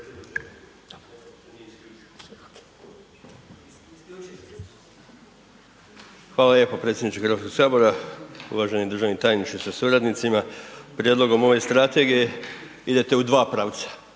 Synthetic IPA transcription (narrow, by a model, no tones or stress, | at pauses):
xʋaːlalje̞popɾet̪sjenit͡ʃexəɾʋat̪ko̞ɡ̥saːbo̞ɾaṵʋaʒenid̪r̩ʒaʋnit̪aːjnit͡ʃisasuɾad̪nit̪simapɾje̞d̪lo̞ɡo̞mo̞ʋe̞st̪ɾat̪e̞ɡije̞ | id̪e̞t̪e̞ud̪ʋaːpɾaw̪sḁ